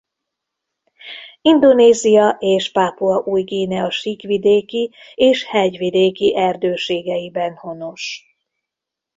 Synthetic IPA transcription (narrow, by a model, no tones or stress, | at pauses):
ind̪o̞neːzijɒʔeːʃpaːpuɒʔuːjɡeːnɛɒʃikʋid̪eːki | eːʃhɛɟʋid̪eːkiʔɛrd̪øːʃeːɡɛjibɛnho̞noʃ